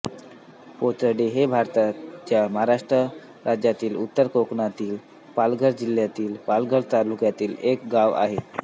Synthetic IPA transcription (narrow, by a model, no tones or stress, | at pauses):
pot̪əɽeɦebʱaɾt̪at͡ɕjaməɦaɾaʂʈɾə | ɾʔad͡ʑjat̪iːlut̪ːəɾkokɳat̪iːl | palɡʱəɽd͡ʑil̤jat̪iːlpalɡʱəɽt̪alukjat̪iːlek̚ɡaʋa̰ɦe